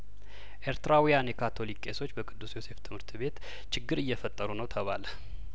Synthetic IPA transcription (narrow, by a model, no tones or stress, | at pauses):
ʔe̞ɾt̪ɨɾawijanjɛkʰat̪ʰo̞likːeso̞t͡ʃːbəkʼɨd̪ːusjo̞se̞ft̪ʰɨmhɨɾt̪ʰβe̞t̪ | t͡ʃʰɪɡːɨɾɨjːɛfət̪ʼːəɾunəwt̪ʰəβa̰lə